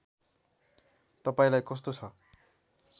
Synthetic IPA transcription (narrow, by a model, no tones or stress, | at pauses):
t̪ʌpaĩlajkʌs̬t̪ot͡sʰʌ